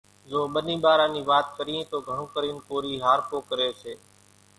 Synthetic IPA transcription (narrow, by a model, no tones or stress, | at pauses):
zoːɓənĩːɓaːɾãːniːʋaːt̪̚kəɾiẽt̪oːɡʱəɳ̃õːkəɾiːnkoːɾiːɦaːɾpoːkəɾeːseː